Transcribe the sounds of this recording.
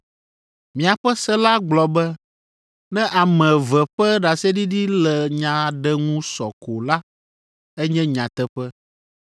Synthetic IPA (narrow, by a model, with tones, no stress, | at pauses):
mĩ˨a˨ɸɛ˦sɛ˦la˦ɡ͡blɔ˨bɛ˦ | nɛ̃˦ʔa˨mɛ̃˨vɛ˨ɸɛ˦ɖa˨sɛ˦ɖi˦ɖi˦lɛ˨ɲã˨ɖɛ˦ŋũ˦sɔ̰˨ko˨la˦ | ɛ˦ɲɛ̃˦ɲã˨t̪ɛ˦ɸɛ˦